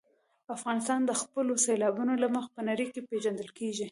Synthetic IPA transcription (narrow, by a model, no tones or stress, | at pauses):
afɣɑnɪs̬t̪ɑnd̪əxpəloselɑbunolaməxpənaɾikepeʒand̪əlkeʒi